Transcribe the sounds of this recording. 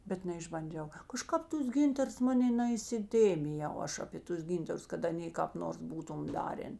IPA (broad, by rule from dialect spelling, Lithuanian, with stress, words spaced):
ˈbʲɛt nʲɛɪʒbɐnʲˈd͡ʒʲɛʊ kɐˈʃkɐp ˈtʊs ˈɡʲɪntɐrs ˈmɑːnʲeː nɐɪsʲɪˈtʲeːmʲɪjɛʊ ˈɐʃ ɐpʲeː ˈtʊs ˈɡʲiːntɐrʊs kɐt ɐˈnʲeː kɑːp ˈnoːrs ˈbuːtʊm ˈdɑːrʲeːn